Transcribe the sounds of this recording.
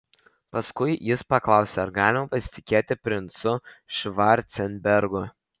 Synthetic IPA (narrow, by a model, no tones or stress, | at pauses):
pɐskʊɪjɪspɐklˠɑˑʊsʲeɐɾɡɑːlʲɪmɐpɐsʲɪ̥t̪ʲɪkʲeːt̪ʲɪpʲɾʲɪnt̪sʊʃʋɑɾʲt̪sʲɛnʲbʲɛɾɡʊ